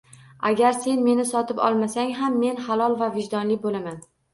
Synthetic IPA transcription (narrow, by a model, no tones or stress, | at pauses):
aɡʲaɾse̞nme̞nɪsɒt̪ʰɪpɒ̰lˠmasaŋɦamːe̞nhalˠɒlˠvavɪʒd̪ɒnlɪbolaman